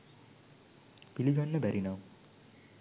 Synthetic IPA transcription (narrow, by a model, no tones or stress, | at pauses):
b̥iliɡʌnːʌbæɾinʌw